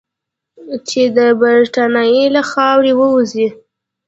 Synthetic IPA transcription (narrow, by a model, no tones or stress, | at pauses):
t͡ʃed̪əbaɾʈanɑjilaxɑwɾewəuzi